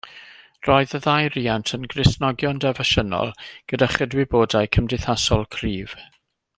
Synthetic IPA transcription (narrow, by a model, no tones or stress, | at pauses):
roɨðəðajɾiːantʰənɡrɪsnɔɡjɔndɛvəʃənɔ̰lˠɡ̥ədaχədwɪboːdajkʰəmdɪθasɔlˠkʰriːv̥